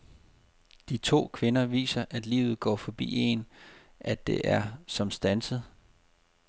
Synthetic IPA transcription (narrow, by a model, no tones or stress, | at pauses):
d̥it͡sʰo̝̰ːkʰʋe̝nɐʋḭːsɐʔæd̥liːʊð̞̩ˠɡ̥ɒ̰ːfɒ̽b̥ḭːe̝n | ʔæd̥e̝ʔæɐsɒ̽msd̥ænsəð̩ˠ